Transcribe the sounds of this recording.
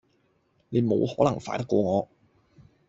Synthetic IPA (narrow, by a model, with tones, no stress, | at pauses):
ne˨˧jmo˨˧whɔː˨˥lɐ˨˩ŋfaː˧˥jt̪ɐ˥kːɔː˧ŋɔː˨˧